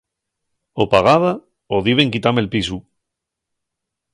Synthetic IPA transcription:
opaɣ̞aβa | oðiβe̞ŋkit̪amelpisu

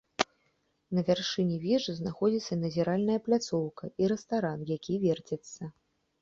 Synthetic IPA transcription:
nɐvʲarʂɨnʲivʲɛʐɨznaxɔd͡zʲit̪sːɐinɐzʲɛɾalʲnɐjɐplʲat̪sɔwkɐiɾɛst̪aɾanjakʲivʲɛrt͡sʲɛt̪sːɐ

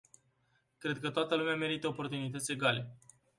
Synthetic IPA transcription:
kɾe̞d̪̚kət̪oat̪əlumeame̞ɾit̪əopo̞rt̪unit̪ət̪sʲe̞ɡale̞

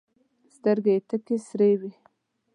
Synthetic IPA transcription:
st̪əɾɡet̪əkesɾewi

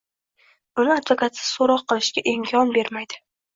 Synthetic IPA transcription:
ʊnɪad̪vokʰat̪sɪ̥soɾɒqːɨlˠɪʃɡʲaʔɪmkʲʰɒnbe̞ɾmajd̪ɪ

